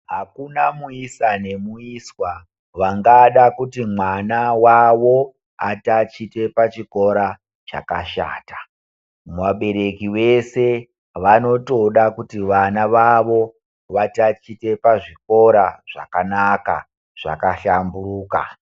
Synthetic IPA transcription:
ɦakunamuisane̞muiswa | ʋaŋɡaɗakutimwanawaʋo̞ | atat͡ʃite̞pat͡ʃiko̞ɾa | t͡ʃa̰kaʃa̰ːtḁ | muʋaɓe̞ɾe̞kiwe̞se | ʋano̞to̞ɗakutiʋanaʋaʋo̞ | ʋatat͡ʃite̞paʐik̚o̞ɾaʐ̥a̰kanaka̰ | ʐ̥a̰kaɬambuɾuːka̰

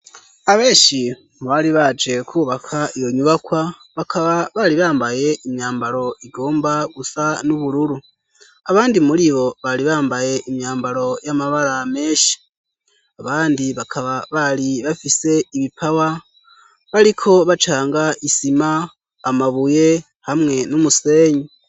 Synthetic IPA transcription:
aβe̞ːʃi | βaliβad͡ʒe̞kʰuːβakʰaijo̞ɲuβakwa | βakʰaβaβaliβaːmbaje̞imjaːmbaɾo̞ʔiɡo̞ːmbaɡusanuβuɾuɾu | aβaːndimuɾiβo̞βaliβaːmbaje̞ʔimjaːmbaɾo̞jamaβaɾameːʃi̥ | aβaːndiβakʰaβaβaliβafise̞iβipʰawa | βaɾikʰo̞βat͡ʃaːŋɡaʔisimaː | maβuje̞ | hamŋe̞numuse̞ːɲi

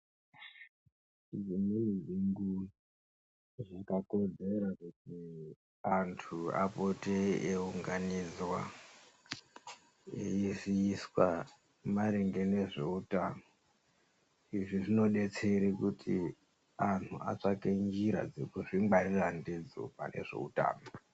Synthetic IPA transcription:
id͡ziminiʐiŋɡu | ʐakako̞d͡ze̞ɾakuti | antʰua̰poteeuŋɡanid͡zwa | iziiswa | maɾeŋɡe̞ne̞ʐeutaːno | iʐiʐino̞ɗe̞t͡se̞ɾikutʰi | an̤ʰua̰t͡ʂakeŋɡiɾa̰d͡zekuʐimɡ͡bariranded͡zo̰pa̰ne̞̰ʐe̞̰uta̰ːno

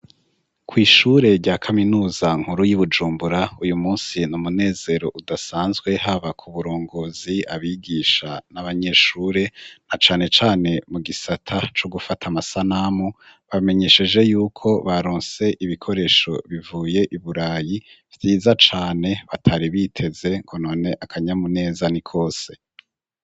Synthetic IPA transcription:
kʰwiːʃuːɾe̞ɾɟaːkʰaminuːzaŋ̥huɾujuβud͡ʒuːmbuɾaujumuːnsinumune̞ːze̞ɾo̞ʔudasaːnzɡwe̞ɦaβakʰuβuɾoːŋɡoziaβiɡiːʃanaβaɲe̞ːʃuːɾe̞nat͡ʃaːne̞t͡ʃaːne̞muɡisatʰat͡ʃo̞ɡufatʰamasanamu | βame̞ɲe̞ʃe̞d͡ʒe̞juːkʰo̞βaɾoːnse̞ʔiβikʰo̞ɾe̞ʃo̞̰βivuːje̞ʔiβuɾaːjivtiːzat͡ʃaːne̞βatʰaɾiβitʰe̞ze̞ŋkʰono̞ːne̞ʔakʰaɲamune̞ːzanikʰo̞ːse̞

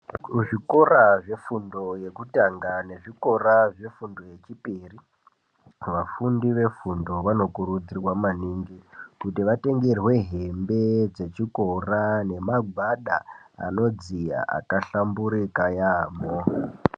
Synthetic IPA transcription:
ʐiko̞raʐe̞fundo̞je̞kutaŋɡane̞ʐiko̞raʐe̞fundo̞je̞t͡ʃipiri | ʋafundiʋe̞fundo̞ʋano̞kuɾud͡zirwamaniŋɡikutiʋate̞ŋɡerwe̞ɦe̞mbe̞d͡ze̞t͡ʃiko̞rane̞maɡʱwaɗaa̰no̞d͡zija̰ʔa̰kaɬambuɾikajamo

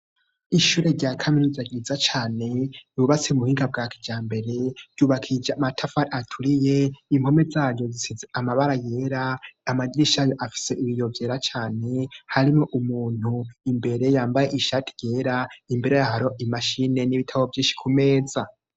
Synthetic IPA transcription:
iʃuɾe̞ɾɟakʰaminuzaɡiːzat͡ʃaːne̞juβat͡seumuhiːŋɡab̚ɡaːkʰid͡ʒaːmbe̞ɾeɾjuːβakʰid͡ʒamatʰafaɾatʰuɾije̞imho̞me̞zaːɾjo̞zisizeʔamaβaɾajeːɾaːmaɟiʃajo̞ʔafi̥se̞ʔiβijo̞vje̞ːɾat͡ʃaːne̞haɾimŋoʔumuːn̥huimbe̞ɾe̞jaːmbajeʔiʃaːtʰi̥je̞ːɾaimbe̞ɾe̞jahaɾoʔimaʃine̞niβitʰaβovjiːʃi̥kʰume̞ːza

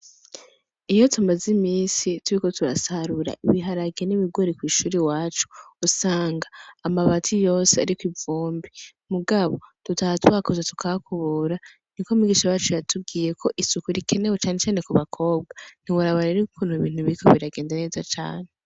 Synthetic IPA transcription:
ijo̞tʰumazimiːsituɾiko̞tuɾasaɾuɾa̰ʔiβiɦaɾaɡeniβiɡoɾikwiːʃuːɾiwaːt͡ʃu̥usaːŋɡaːmaβatʰijo̞ːsea̰ɾikwivuːmbi | muɡaβo̞̰tutahatwakozatu̥kʰaβakʰuβuɾa | nikomiɡiːʃajaːt͡ʃujatʰub̚ɡiːje̞kʰo̞ʔisukuɾikʰe̞newe̞t͡ʃaːnet͡ʃaːne̞kuβakʰo̞ːb̚ɡan̥iwaɾaβoɾeɾikukʰuːnhuiβiːn̥huβikʰo̰βiɾaɡe̞ːndane̞ːzat͡ʃa̰ːne

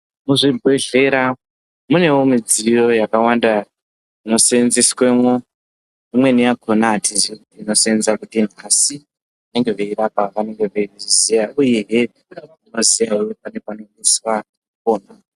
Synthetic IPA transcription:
muʐibʱwe̞ɮe̞ɾa | mune̞womid͡zijo̞jakawanda | ino̞seenziswemu | imwe̞nijakʰonaːtʰizikutiːno̞seenzakutin̤asi | ʋane̞ŋɡe̞ʋeirapaʋane̞ŋɡe̞ʋeizijauje̞ɦe | ino̞zijaewepane̞pano̞miswa | koːna

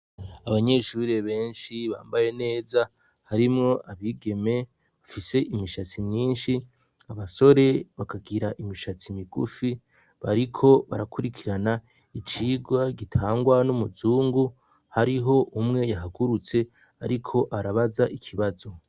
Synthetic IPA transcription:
aβaɲe̞ʃuːɾeβe̞ːnʃiβa̰ːmbaje̞ne̞ːza | haɾimŋo̞ʔaβiɡe̞me̞ | βafise̞ʔimiʃat͡simɲiːnʃi | aβaso̞ɾe̞βakaɡiɾaʔimiʃat͡simiɡṵfi | βaɾikʰo̞βa̰ɾakuɾikʰiɾana | it͡ʃiːɡwaɡitʰaːŋɡwanumuzuːŋɡu | haɾiɦo̞ʔumŋe̞jaɦaɡuɾut͡se̞ | aɾikʰo̞ʔaɾaβazaʔikʰiβazo̞

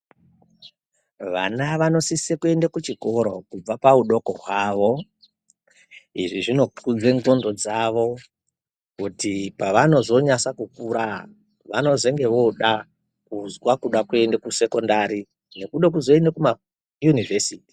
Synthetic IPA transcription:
ʋa̰naʋano̞sisekue̞ndakut͡ʃiko̞ɾo̞̰kub͡vapauɗo̞koɦwaːʋo̞ | iʐiʐino̞kʰud͡zeŋɡondo̞d͡zaʋo̞ | kutipaʋano̞zo̞ɲasakukuɾa | ʋano̞ze̞ŋɡe̞ʋo̞ɗa | kuzwakuɗakue̞ndekuse̞ko̞ndaɾi | ne̞kuɗek̬uzo̞e̞ndekuma | junivesiːti̥

